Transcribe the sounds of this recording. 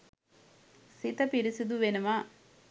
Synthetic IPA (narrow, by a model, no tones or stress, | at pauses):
sit̪ɐpiɾisid̪uʋenɐma